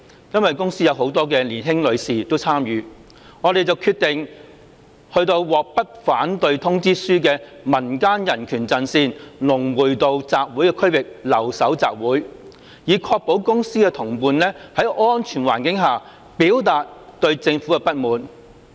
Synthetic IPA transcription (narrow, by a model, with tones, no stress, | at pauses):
jɐ˥nwɐ˨jkʊ˥ŋsiː˥jɐ˨˧who˨˧˥wt̪ɔː˥kɛː˧liː˨˩nɦɪ˥ŋlɵ˨˧ɥsiː˨˩t̪o˥wt͡sʰaː˥mjyː˨ | ŋɔː˨˧ɾe˨jt͡sɐ˨wkʰyː˧t̪ɪ˨˩ŋ | hɵ˧ɥt̪o˧wwɔː˨k̚pɐ˥t̚faː˨˥nt̪ɵ˧ɥt̪ʰʊ˥ŋt͡siː˥syː˥kɛː˧mɐ˨˩nkaː˥njɐ˨˩nkʰyː˨˩nt͡sɐ˧nsiː˧nlʊ˨˩ŋwuː˨˩jt̪o˧wt͡saː˨k̚wu˨˥jkɛː˧kʰɵ˥ɥwɪ˨k̚lɐ˨˩wsɐ˨˥wt͡sa̰ː˨p̚wuː˨˥j | jiː˨˧kʰɔː˧k̚po˨˥wkʊ˥ŋsiː˥kɛ˧t̪ʰʊ˨˩ŋpuː˨˧nlɛː˥hɐ˨˥jʔɔː˥nt͡ʃʰyː˨˩nwa̰ː˨˩nkɪ˨˥ŋɦaː˨˩ | piː˨˥wt̪aː˨t̚t̪ɵ˧ɥt͡sɪ˧ŋfu˨˥kɛ˧pɐ˥t̚muː˨n